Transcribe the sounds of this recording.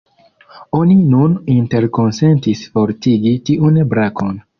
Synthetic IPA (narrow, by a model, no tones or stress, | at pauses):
o̞ninuninte̞ɾko̞nse̞ntisfo̞ɾtiɡitiʔunbɾakʰo̞n